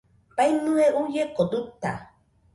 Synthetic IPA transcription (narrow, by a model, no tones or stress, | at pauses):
pajnũeʔujekod̪ut̪a̰